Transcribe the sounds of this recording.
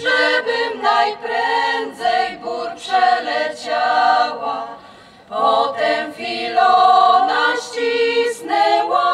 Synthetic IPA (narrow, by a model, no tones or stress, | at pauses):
ʐɛbɪmnajpɾɛnd̪zɛjbuɾpʂɛlɛt͡ɕawa | pɔt̪ɛmfʲilɔnaɕt͡ɕisnɛwa